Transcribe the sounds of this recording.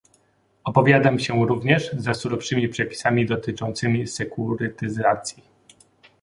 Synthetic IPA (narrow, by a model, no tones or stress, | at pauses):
ɔpɔvʲjad̪amɕɛɾuvɲɛʐzasuɾɔfʂɘmʲipʂɛpʲi̥samʲid̪ɔt̪ɘt͡ʂɔnt̪sɘmʲisɛkuɾɘt̪ɘzat̪sʲji